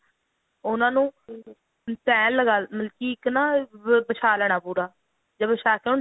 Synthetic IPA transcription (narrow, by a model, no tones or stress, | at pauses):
ʊnãːnũː | pɛ̃ːnlːəɡaːmɪlkiːɪknaːbət͡ʃʰaːlɛːɽaːpuːɾaː | d͡ʒəːbəʃaːkeon